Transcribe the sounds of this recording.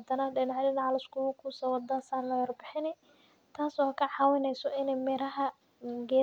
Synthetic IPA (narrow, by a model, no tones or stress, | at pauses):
d̪ɐnɐɖɪnɑʕjd̪ɪnɑʕlɪskʰʊwʊkʰuːsɐwɐd̪ɐsaːnlɐwɐrbɪħɪnɛ | t̪ʰaːsɔːkʰɐʕɑːwɪnɛjsɔɪnɛmɛːɾɐɦɐ | ɡɛː